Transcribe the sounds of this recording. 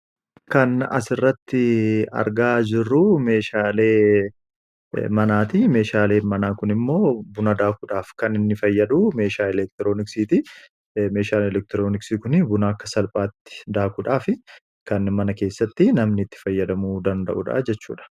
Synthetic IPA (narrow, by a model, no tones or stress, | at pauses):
kɐnɐ̰sɪrːɐt̪ːɪɐ̰ɾɡaːd͡ʒɪrːʊme̞ːʃaːle̞ː | mɐnaːt̪ime̞ːʃaːleːnmɐnaːkʊnɪmːo̞ːbʊnɐd̪aːkuᶑaːfkɐnɪnːɪfɐjːɐd̪uːme̞ːʃaːɛlɛk̚t̪ɪɾo̞ːnɪksiːt̪ɪ | me̞ːʃaːlɛlɛk̚t̪ɪɾo̞ːnɪksiːkʊnɪbʊnakːɐsɐlpʼaːt̪ːɪ̥d̪aːkʊᶑaːfɪ | kɐnmɐnɐke̞ːsːɐt̪ːɪnɐmnɪt̪ːɪ̥fɐjːɐd̪ɐmuːd̪ɐnd̪ɐ̰ʔuᶑa̰d͡ʒɛt͡ʃːṵːᶑɐ̥